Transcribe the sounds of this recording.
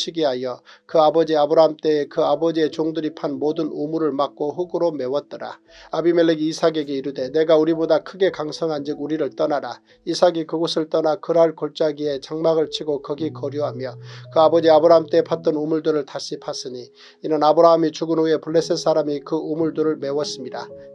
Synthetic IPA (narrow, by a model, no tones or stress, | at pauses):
ɕʰiɡiɦajʌ | kɯabʌd͡ʑiabɯɾaɦamt͈e̞ːkɯabʌd͡ʑie̞t͡ɕoŋdɯɾipʰanmodɯnumuɾɯɭmak̚k͈oɦuɡɯɾome̞wʌt̚t͈ʌɾa̰ | abime̞ɭːeɡiːsʰaɡe̞ɡe̞iɾude̞ne̞ɡauɾibodakʰɯɡe̞kaŋsʰʌŋɦand͡ʑiɡuɾiɾɯɭt͈ʌnaɾa | isʰaɡikɯɡosʰɯɭt͈ʌnakɯɾaɭkoɭt͡ɕ͈aɡie̞t͡ɕaŋmaɡɯɭt͡ɕʰiɡokʌɡikʌɾjuɦamjʌkɯabʌd͡ʑiabɯɾaɦɯmt͈e̞pʰat̚t͈ʌnumuɭdɯɾɯɭtaɕʰipʰas͈ɯɲi | inɯnabɯɾaɦɯmit͡ɕuɡɯnue̞puɭːe̞ses͈aɾamikɯumuɭduɾɯɭme̞wʌs͈ɯmɲida